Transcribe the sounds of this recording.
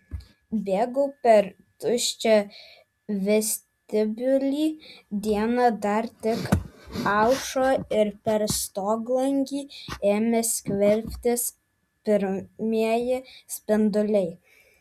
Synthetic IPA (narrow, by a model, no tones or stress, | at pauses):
bʲeːɡʊpʲɛɾ | t̪ʊʃʲt͡ʃʲo | ʋʲɛsʲt̪ʲɪbʲʊlʲiːd̪ʲiɛnɐd̪ɐɾt̪ʲɪkɑʊʃoːɪɾpʲɛɾst̪oːɡlˠɐŋʲɡʲiːeːmʲɛsʲkʲʋʲɛlʲfʲt̪ʲɪs | pʲɪɾmʲiɛjɪsʲpʲɪnd̪ʊlʲɛɪ